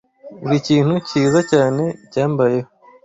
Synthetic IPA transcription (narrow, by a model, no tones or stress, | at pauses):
uɾiciːn̥huciːzacaːne̞caːmbaje̞ho